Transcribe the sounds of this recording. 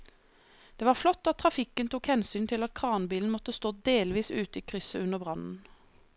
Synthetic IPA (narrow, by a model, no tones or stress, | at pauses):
d̪̥eːʋɑːʁflɔt̪ːɑt̪ʰːʁɑfɪkənt̪uːkhɛnsyːnt̪ʰɪlɑt̪̚kʰʁɑːnbiːln̩mɔt̪əst̪oːd̪eːlʋiːsʉːt̪əiːkʰʁʏsəʉnəʁbʁɑnn̩